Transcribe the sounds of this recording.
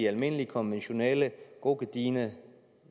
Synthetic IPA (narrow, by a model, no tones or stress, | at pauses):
iælme̝nəlikʰɔ̽nʋenɕo̝nɛləɡ̥o̝ɡ̥əd̥iːnə